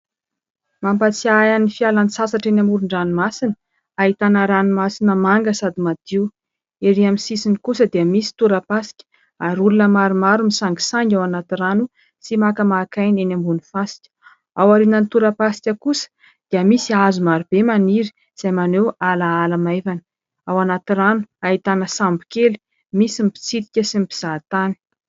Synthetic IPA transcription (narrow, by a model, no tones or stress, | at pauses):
mampat͡siajanifialanisasaʈ͡ʂenʲambuɾuɳɖ͡ʐanimasinə | aɦit̪anəɾanumasinəmaŋɡəsad̪imad̪̥iw | eɾiamisisinikusəd̪eəmisi̥t̪uɾəpasi̥kʲə̥ | aɾulunəmaɾumaɾumisaŋɡi̥saŋɡʲawanat̪iranu | simakəmakajnenambunifasi̥kʲə̥ | awaɾinənit̪uɾəpasi̥kʲəkusə̥ | d̪̥iəmisiazumaɾub̥emaniɾi̥ | z̥ajmanewalaalamajvanə̥ | awanat̪iɾanu̥aɦit̪anəsambikeli̥ | misimipi̥t͡sit̪ikʲəsimipi̥z̥at̪ani̥